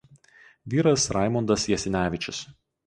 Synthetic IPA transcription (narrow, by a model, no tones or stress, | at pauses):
ʋʲiːɾɐsɾʔɑˑɪmɔnd̪ɐsjɛsʲɪnʲæːʋʲɪt͡ʃʲɪs